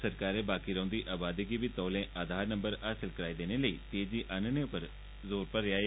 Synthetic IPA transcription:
səɾkaːɾebaːkiɾəõːnd̪iʔaːbaːd̪eɡibit̪ɔːlẽːʔaːd̪ʱaːɾnə̃mbəɾaːsəlkəɾaːid̪eːneləiːt̪eːd͡ʒiʔənneʊpəɾ | zoːɾpəɾjaː

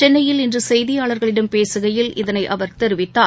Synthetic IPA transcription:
t͡ʃɛnːɐjɪlɪndrɯsɛjðɪjaːɭɐɾɣɐɭɪɽɐmpeːsɯɣɐjɪlʔɪ̰ðɐnɐɪʔɐʋɐɾt̪ɛɾɯʋɪt̪ːaː

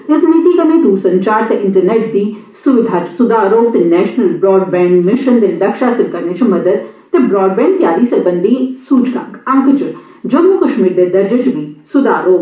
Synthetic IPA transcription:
t̪esmit̪ikɐɾneːt̪uːsɐ̃ɲt͡ʃaːɾt̪eʔɪɳʈəɾneːʈ̚d̪iːsuʋɪd̪ʱaːt͡ʃsʊd̪aːɾoːk̚t̪enɛːʃnəlbɾɔːɖ̚bɛ̃ːɳkmɪʃənd̪ellɐkʃaːsɪlkɐɾneːt͡ʃʰimɐd̪əd̪t̪ebɾɔːɖ̚bɛ̃ːɳ̚t̪jaːɾisɐɾbənd̪ʱisuːt͡ʃɡã̰ɡɐ̃ŋkt͡ʃ | d͡ʒɐɡmukɐʃmiːɾd̪eːd̪ɐɾd͡ʒət͡ʃbisʊd̪aːɾoːɡ

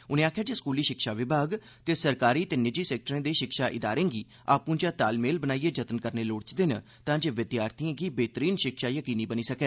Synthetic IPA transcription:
ʊnẽːaːkʰjaːd͡ʒeːskuːliːʃɪkʃaːʋɪbʱaːɡ | t̪eːsəɾkaːɾiːt̪eːnɪd͡ʒiːsɛːk̚ʈəɾẽːd̪eːʃɪkʃaːʔɪd̪aːɾẽːɡiː | aːpũːd͡ʒaːt̪aːlmeːlbənaːieːd͡ʒət̪ənkəɾneːloːɽt͡ʃd̪eːnə | t̪ãːd͡ʒeːʋɪd̪jaːɾt̪ʰiãːɡiːbeːt̪əɾiːnʃɪkʃaːjəkiːniːbəniːsəkeː

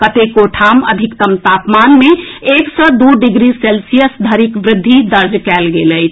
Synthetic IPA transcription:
kət̪ekoʈʰamə̰d̪ʱikt̪əmt̪apmanmeeksɔd̪uɖɪɡɾiselsijəsd̪ʱəɾikʋɾɪd̪ʱːid̪əɾd͡ʒkɛlɡeləjt̪ʰ

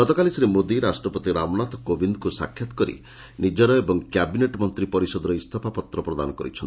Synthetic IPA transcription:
ɡɔt̪ɔkalisiɾemod̪iɾasʈɾɔpɔt̪iɾamɔnat̪ɔkobind̪kusa̰kʰːjat̪ɔ̥kɔɾḭ | nid͡ʒɔɾɔebɔŋkjabineʈmɔnt̪ɾipɔɾisɔd̪ɔɾɔist̪ʰɔpʰapɔt̪ɾɔpɾɔd̪anɔkɔɾḭt͡ʃʰɔnʰi

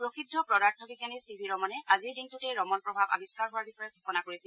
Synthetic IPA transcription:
pɹoxidʱːɔpɹɔdaɹtʰɔbikanisibʱiɹɔmɔnɛʔaziɹdiŋtutɛɹɔmɔnpɹɔbʱaba̰biskaɹɦʊwaɹbixɔjɛɡʱɔxɔnakoɹisil

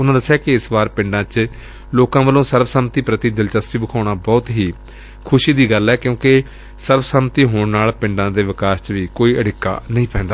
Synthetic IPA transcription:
ʊnãːd̪əsːɪjaːkɪɪsbaːɾpɪ̃ɳɖãːt͡ʃ | loːkãːʋəlõːsəɾbəsəːmt̪iːpɾət̪iːd͡ʒəlt͡ʃəst̪iːbəkʰaːɽ̃aːbɔːt̪ɦiː | kʰʊʃiːd̪iːɡəlːɛːkjõːkɪ | səɾbəsəmt̪iːɦoːɳnaːlpɪ̃ɳɖãːd̪eːʋɪkaːst͡ʃʋiːkoːiːʔəɽɪkːa̰ːnəɦĩːpɛ̃ːnd̪aː

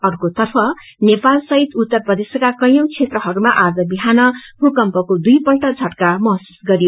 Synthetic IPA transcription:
ʌrkot̪ʌrpʰʌ | nepalsʌɦit̪ut̪ːʌrprʌd̪esʌkakʌj̃ʌ̃wt͡sʰet̪rʌɦʌɾumaʔad͡zʌbiɦanʌbukʌmpʌkod̪ujpʌlʈʌd͡zʱʌʈkamʌɦsu̥sɡʌɾijo

